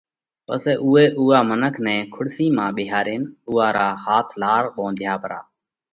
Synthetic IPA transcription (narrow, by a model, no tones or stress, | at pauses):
pə̰sɛːʔuːeːʔuːaːmənəkʰnɛ̃ːkʰʊɽsiːmãːɓɪːɦaːɾeːnʊːaːɾaːhaːt̪ʰlaːɾɓõːnd̪ʱɪjaːpəɾa̰ː